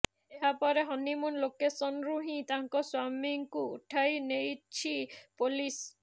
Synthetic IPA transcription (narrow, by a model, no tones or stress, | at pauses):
eɦapɔɾeɦɔnimunlokesɔnɾuɦĩt̪aŋkɔswamiŋkṵːʈʰajnejt͡ʃʰipolis